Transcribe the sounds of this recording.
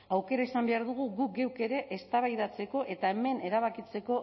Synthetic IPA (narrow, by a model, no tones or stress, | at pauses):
awke̞ɾaisambe̞aɾðuɣ̞uɣuk̚ɡe̞wke̞ɾe̞ʔest̪aβajð̞at͡se̞ko̞ʔe̞t̪ae̞me̞ne̞ɾaβ̞akit͡se̞ko̞